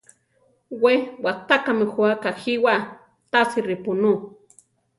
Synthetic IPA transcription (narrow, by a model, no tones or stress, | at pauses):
wewat̪akamexuakaxiwa | t̪asiripunu